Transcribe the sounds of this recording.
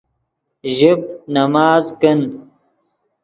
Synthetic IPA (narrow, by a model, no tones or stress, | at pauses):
ʒib̚nɐmaːzkən